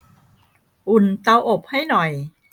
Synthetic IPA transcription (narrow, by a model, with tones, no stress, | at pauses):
ʔu˨˩nt̪a˧wʔo˨˩p̚ha˥˩jnɔ˨˩j